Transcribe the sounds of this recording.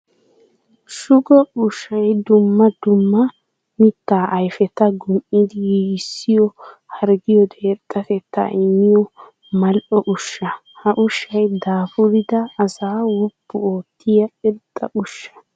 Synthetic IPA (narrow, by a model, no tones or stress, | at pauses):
ʃʊɡɔʊʃːɐjd̪ʊmːɐd̪ʊmːɐ | mɪt̪ːaːʔɐjfɛt̪ɐɡʊmʔɪd̪ɪjiːsːɪjɔhɐɾɡɪjɔd̪eːt̪ʼːɐt̪ɛt̪ːɐ̰ʔɪmːɪjɔ | mɐlʔɔʔʊʃːɐhɐʔʊʃːɐjd̪aːfʊɾɪd̪ɐːsaːwɔpːʊoːt̪ːɪjɐɛt̪ʼːɐʔʊʃːɐ̥